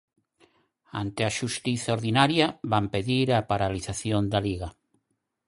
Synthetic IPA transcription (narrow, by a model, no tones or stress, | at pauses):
a̰nt̪eaʃust̪iθaoɾðinaɾjaβampeðiɾapaɾaliθaθjond̪aliɣa